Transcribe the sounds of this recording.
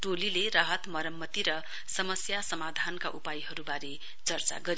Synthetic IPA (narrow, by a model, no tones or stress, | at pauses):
ʈolileraɦʌt̪mʌɾʌmːʌt̪iɾʌ | sʌmʌsjasʌmad̪ʱanka̰ʔupajɦʌɾubaɾe | t͡sʌrt͡sa̰ɡʌɾi